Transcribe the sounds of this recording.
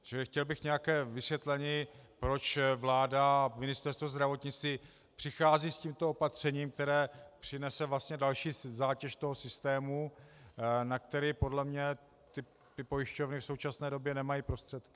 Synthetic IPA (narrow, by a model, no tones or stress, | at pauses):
ʒ̥ɛxcɛlbɪxɲɛjakɛːvɪsvjɛt̪lɛɲiːpɾo̞t͡ʃvlaːdamɪnɪst̪ɛɾst̪vozd̪ɾavo̞t̪ɲɪt͡st̪iː | pr̥ɪxaːziːsciːmt̪o̞opat̪r̝̥ɛɲiːmk̚t̪ɛɾɛːpr̝̥ɪnɛsɛvlast̪ɲɛdalʃiːzaːcɛʃt̪o̞ɦo̞sɪst̪ɛːmu | nak̚t̪ɛɾiːpo̞dlɛmɲɛ | t̪ɪ | pɪpo̞jɪʃco̞vnɪfsowt͡ʃasnɛːdo̞bjɛnɛmajiːpɾo̞st̪r̥ɛt̪k